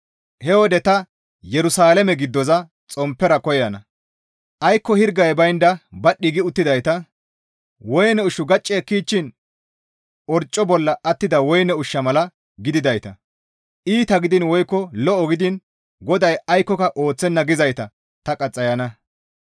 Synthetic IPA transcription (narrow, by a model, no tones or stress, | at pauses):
hɛwɔd̪ɛt̪ɐ | jɛɾʊsaːlɛmɛɡɪd̪ːɔzɐ | t͡sʼɔmpːɛɾɐkɔjɐnɐ | ʔɐjkːɔhɪɾɡɐjbɐjnd̪ɐbɐɗːɪɡɪʊt̪ːɪd̪ɐjt̪ɐ | wɔjnɛʊʃʊɡɐt͡ʃʼːekiːt͡ʃːɪn | ʔɔɾt͡ʃʼːɔbɔlːɐʔɐt̪ːɪd̪ɐwɔjnɛʊʃːɐmɐlɐ | ɡɪd̪ɪd̪ɐjt̪ɐ̰ | ʔiːt̪ɐɡɪd̪ɪnwɔjkːɔlɔɔɡɪd̪ɪn | ɡɔd̪ɐjɐjkːɔkɐʔo̞ːt͡sːɛnːɐɡɪzɐjt̪ɐ | t̪ɐkʼɐt͡sʼːɐjɐnɐ